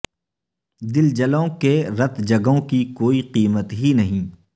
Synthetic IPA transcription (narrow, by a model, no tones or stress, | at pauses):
d̪ɪld͡ʒɐlõkeɾɐt̪d͡ʒɐɡõkikoːiqiːmət̪ɦinɐɦĩː